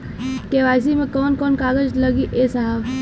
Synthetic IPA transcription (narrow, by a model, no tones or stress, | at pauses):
keʋaːs̬imẽkɔːnkɔːnkaːɡəd͡ʒləɡiʔesaɦab